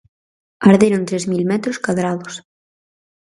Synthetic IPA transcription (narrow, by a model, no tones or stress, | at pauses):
aɾðeɾont̪ɾezmilmɛt̪ɾoskaðɾaðʊs